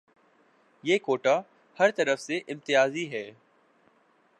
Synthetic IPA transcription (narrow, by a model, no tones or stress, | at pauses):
jeːkoːʈa | hɐɾt̪ɐɾəfseʔɪ̃mt̪ɪjaːziɦɛː